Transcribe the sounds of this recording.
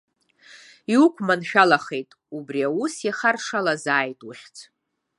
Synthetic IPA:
iukʷʰʼmanʃᶣalaχe̞jtʼ | ubriausjaχarʂalazaːjtʼuχʲt͡sʰ

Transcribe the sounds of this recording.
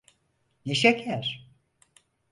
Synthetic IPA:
neʃakʰæɾ̥

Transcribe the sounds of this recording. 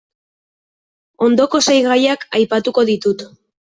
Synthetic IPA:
o̞nd̪o̞ko̞sajɣajakajpat̪uko̞ðit̪ut̪

